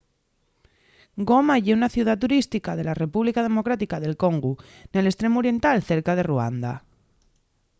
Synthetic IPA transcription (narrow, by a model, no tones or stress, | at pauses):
ɡo̞maʝeunaθjuðat̪uɾist̪ikaðe̞lare̞puβlikað̞e̞mo̞kɾat̪ikaðe̞lko̞ŋɡu | ne̞le̞st̪ɾe̞muoɾje̞nt̪alθe̞ɾkað̞e̞rua̰nd̪a̰